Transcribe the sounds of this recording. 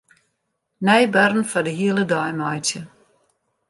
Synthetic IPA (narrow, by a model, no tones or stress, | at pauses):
nɛjbœrn̩fadəɦiəlˠədɔjmajtjə